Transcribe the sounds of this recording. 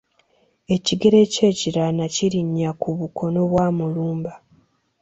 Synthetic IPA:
e̞ciɡe̞ɾe̞ce̞ːciɾanaciɾiɲːakuβukʰo̞no̞βwaːmuluːmba

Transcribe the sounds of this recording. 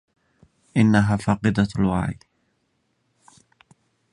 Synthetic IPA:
ʔɪnːaɦaːfɑːqɨd̪alwa̰ʕḭj

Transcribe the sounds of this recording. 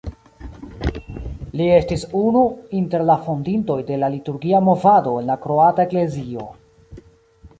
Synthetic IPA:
lie̞stisunuinte̞ɾlafondinto̞jde̞lalituɾɡiamo̞vado̞e̞nlakɾo̞ataekle̞zio̞̰

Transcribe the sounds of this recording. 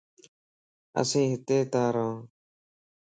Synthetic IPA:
ə̰sẽːɦɪt̪eːt̪ãːɾãː

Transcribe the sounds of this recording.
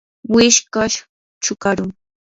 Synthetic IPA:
wɪʃkaʃ | t͡ʃʊkaɾʊŋ

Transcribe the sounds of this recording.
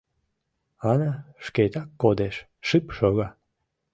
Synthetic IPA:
ɑnaʃket̪akːod̪eʃ | ʃɨpʃoɣa

